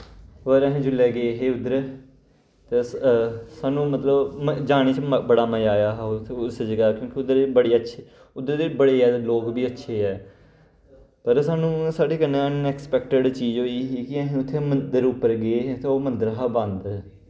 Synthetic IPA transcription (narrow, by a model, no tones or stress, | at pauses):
oːɾəɦẽːd͡ʒʊlːeːɡeːɦeːʊd̪əɾ | t̪e | saːnũːmət̪ləbd͡ʒaːɽ̃eːt͡ʃbəɽaːməjaːjaːɦʊsd͡ʒəɡaːkjõːkiʊd̪əɾebəɽeːətːʃʰiː | ʊd̪əɾd̪eːbəɽeːɛːloːkbiːətːʃʰeːɛː | pəɾsaːnũːsaːɽeːkənːẽːənɛːkspɛk̚ʈəɖt͡ʃiːd͡ʒoːiːɦiːkɪəɦẽːʊt̪ʰːeːmənd̪əɾʊpːəɾɡeːɦet̪eoːmənd̪əɾɦaːbãnd̪